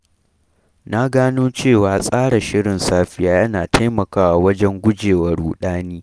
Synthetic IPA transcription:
na˦ɡaː˦noː˦t͡ʃeː˦˨waː˨sʼaː˦ɽa˨ʃɪ˦ɽɪ˨nsaː˦ɸɪ˦jaː˦jɐ˦naː˨tʰa˦jmɐ˨kaː˦wa˨wɐ˦d͡ʒɛ˦ŋɡʷʊ˦d͡ʒeː˨wɐ˦ɽuː˨ɗaː˦niː˦

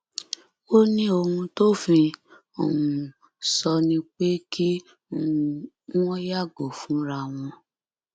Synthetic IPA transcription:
o˦nĩ˦o˧hũ˧to˦fĩ˧ | o˨ũ˨ | sɔ˧nĩ˧k͡pe˦kʰi˦˧˨ | w̃ɔ̃˦ja˦˨ɡo˨fũ˨˦ɾa˧˨w̃ɔ̃˧

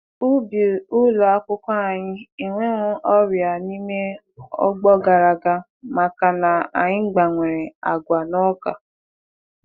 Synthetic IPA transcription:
u˦bi˨ʊ˦lo˨a˦kʷʊ˦kʷa˦˨ɲɪ˦i˨ŋʷe˦ŋʷʊ˦ʔɔ˦ɾja˨ni˦me˦ | ɔ̰˦ɡ͡bɔ˦ɡa˨ɾa˨ɡa˦ | ma˨ka˨na˨a˨ɲɪ˦ŋ͡m̩˦ɡ͡ba˨ŋʷe˨ɾe˨a̰˨ɡʷa˨nɔ˦ka˨

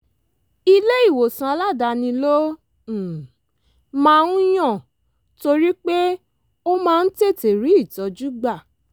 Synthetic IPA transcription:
i˧le˦i˦˨wo˨sã˧la˦˨da˧nĩ˧lõ˦˨ | mãː˦ũ˦j̃ã˦˨ | to˧ɾi˦k͡pe˦ | o˦mãː˦˧n̩˦te˦˨te˨ɾi˨˦i˦˨tɔ˨˧d͡ʒu˦ɡ͡ba˦˨

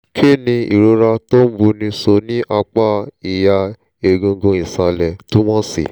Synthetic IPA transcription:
kʰe˦˨nĩ˧ḭ˨ɾo˧˦ɾa˧to˦n̩˦bu˧˦nĩ˧so˧nĩ˦ʔa˧k͡pa˦i˨ja˧ | e˨ɡũ˨˧ɡũ˧i˨sa˧lɛ˨tu˦wɔ̃˦sḭ˨

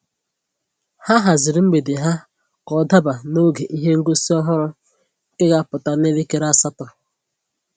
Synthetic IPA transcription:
ha˦ɦa˨zɪ˨ɾɪ˨˦ŋ͡m̩˦ɡ͡be˨dɪ˨ɦa˦ | kɔ˨da˦ba˨no˦ɡe˨ʔi˦ɦe˦ŋ̩˦ɡo˦si˦ɔ˦ɦʊ˦ɾʊ˦ | ke˦ɡa˦pʊ˨ta˨ne˦le˦ke˨ɾa˨sa˦tɔ˨

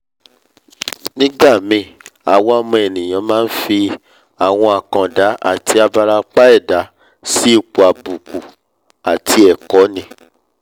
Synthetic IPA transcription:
nĩ˦ɡ͡ba˦˨mĩ˧˨a˨wɔ̃˧a˦˧mɔ̃˧ɛ˨nĩ˨j̃ã˨˧˦mãː˦n̩˦fi˧ | a˨w̃ɔ̃˧a˨kã˨da˨˦a̰˦˨tʰi˧a˧ba˧ɾa˧k͡pa˦ɛ˦˨da˨˦ | si˦i˦˨k͡pu˨a˨bu˨ku˨ | a˨tʰi˧ɛ˨kɔ˨˦nĩ˧˦

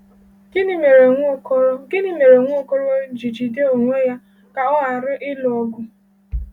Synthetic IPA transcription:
i˦me˨ɾɡɪ˦ni˦me˨ɾe˨ŋʷo˦˨kɔ˦ɾo˦d͡ʒi˨d͡ʒi˨de˦o˨ŋʷe˦ja˦ | ka˨ɔ˦a˨ɾʊ˦ʔɪ˦lɔ˦ɡʊ˦

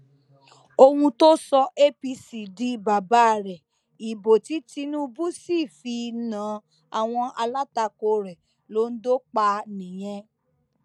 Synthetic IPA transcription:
o˧hũ˧to˦sɔ˧e˦pi˧si˨di˨˦ba˨ba˨˦˨ɾɛ˨ | i˨bo˨ti˨˦ti˧˦nũ˦˧bu˦si˦˨fi˧nã˨˦ | a˨w̃ɔ̃˧a˧la˦ta˧ko˧ɾɛ˨ | lo˨˦n̩˦do˦k͡pa˧nĩ˨j̃ɛ̃˧

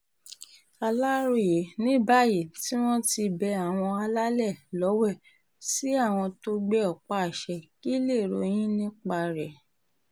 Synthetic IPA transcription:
a˧la˦ɾo˦˨je˨˦nĩ˦ba˦˨ji˨ti˦w̃ɔ̃˦ti˧bɛ˧a˨w̃ɔ̃˧a˧la˦lɛ˦˨lɔ˨˦wɛ˦˨ | si˨˦a˦˨w̃ɔ̃˧to˦ɡ͡bɛ˦ɔ˨k͡pa˨ʃɛ˨ki˦le˦˨ɾo̰˧j̃ĩ˦nĩ˦k͡pa˧ɾɛ˨

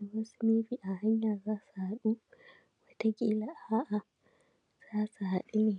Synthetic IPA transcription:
mʊ˦sʊ˦mi˦ɸiː˦ʔa˨ha˦ɲjaː˨zaː˦su˨ha˦ɗu˦ | wɐ˦ta˦ɡʲiː˦la˦ʔa˦ʔa˨ | z̥aː˦su˨ha˨ɗu˦neː˨

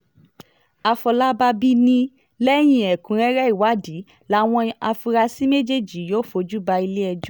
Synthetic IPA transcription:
a˧fɔ˧la˦ba˧bi˦nĩ˦ | lɛ˦j̃ĩ˧ɛ˨kũ˨ɾ̃ɛ̃˦ɾɛ˦i˦˨wa˨˦di˨˦ | la˦w̃ɔ̃˧a˧fu˧ɾa˧si˦me˦d͡ʒe˦˨d͡ʒi˨˦joː˦fo˧d͡ʒu˦ba˧i˧le˦ɛ˧d͡ʒɔ˦˨

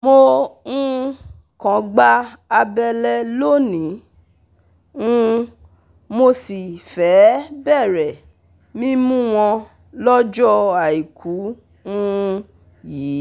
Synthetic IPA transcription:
mo˧ŋũ˦ | kã˨ɡ͡ba˦a˧bɛ˧lɛ˦lo˦˨nĩ˨˦ | ũ˦ | mo˧si˨fɛ˨˦bɛ˦˨ɾɛ˨ | mĩ˦mũ˦w̃ɔ̃˧ | lɔ˦d͡ʒɔ˦a˨i˨kʰu˨˦ | ũ˦˧ | jiː˨˦

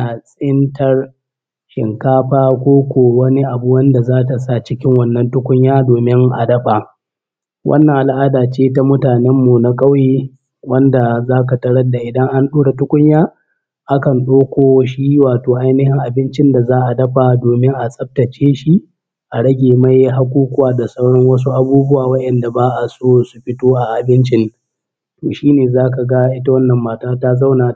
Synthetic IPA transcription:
a˨sʼɪ˦ntɐ˦r | ʃɪ̰˨ŋkaː˦ɸaː˦kʷoː˦kʷoː˨wɐ˦ni˦ʔa˨bu˦wɐ˦nda˨zaː˦ta˨sa˦t͡ʃɪ˦kʲɪ˦ŋwɐ˦nːɐ˦ntʊ˦kʷʊ˦ɲjaː˦doː˨mɪ˦ŋʔa̰˨dɐ˦ɸa˨ | wʔɐ̰˦nːɐ˨ŋʔa˨lʔaː˦daː˨t͡ʃeː˦ta˦mʊ˦taː˨nɛ˦mːu˨na˦kʼɐ˦wjeː˦ | wɐ˦nda˨zaː˦ka˨tɐ˦ɽɐ˦da˨ʔɪ˨dɐ˦ŋʔa˦nɗuː˦ɽa˨tʊ˦kʷʊ˦ɲjaː˦ | ʔa˦kɐ˨nɗoː˦kʷoː˨ʃiː˦waː˨toː˨ʔa˦jnɪ˦hɪ˦ŋʔa˨bɪ˦nt͡ʃɪ˦nda˨zaː˦ʔa˨dɐ˦ɸa˨doː˨mɪ˦ŋʔa˨sʼɐ˦p̚tɐ˨t͡ʃeː˦ʃi˦ | ʔa˨ɽɐ˦ɡʲeː˨ma˦jɦa˦kʷuː˦kʷʼʊ˦aː˨da˨sɐ˦wɽɔ˦ŋwɐ˦s̬u˦ʔa˨buː˦bʊ˦waː˨wɐ˦ʔɛ˨nda˨baː˦ʔa˨soː˦su˨ɸɪ˦toː˦ʔa˨ʔa˨bɪ˦nt͡ʃɪ˦n | toː˨ʃiː˦neː˨zaː˦ka˨ɡa˦ʔɪ˦ta˦wɐ˦nːɐ˨mːaː˨taː˦ta˦za˦wnaː˨

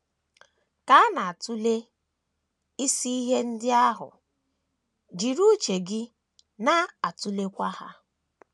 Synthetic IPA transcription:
ka˦a˦na˨a˨tu˦le˦ | i˦si˦i˦ɦe˦n̩˦dɪ˦a˦ɦʊ̰˨ | d͡ʒi˨ɾu˦t͡ʃe˨ɡɪ˦ | na˦a˨tu˦le˦kʷa˦ha̰˦

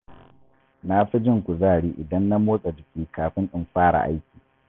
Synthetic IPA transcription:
na˦ɸɪ˦d͡ʒɪ˦˨ŋkʷu˨zaː˦˨ɽiː˦ʔɪ˨dɐ˦nːa˦moː˦sʼɐ˨d͡ʒɪ˨kʲiː˦kaː˨ɸɪ˦ŋʔɗɪ˦mɸaː˦ɽa̰˨ʔa̰˦jkʲiː˨

